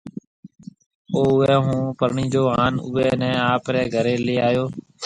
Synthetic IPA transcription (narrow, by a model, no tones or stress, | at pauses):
oːʊʋɛːɦũːpəɾɳiːd͡ʒoːɦaːnʊ̰ʋɛːnɛ̃ːaːpɾɛːɡʱəɾeːleːaːjoː